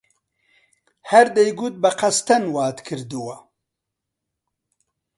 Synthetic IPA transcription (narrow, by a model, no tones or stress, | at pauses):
haɾd̪ejɡut̪̚bɐqast̪ɐnwaːt̪kʰɨɾd̪uwa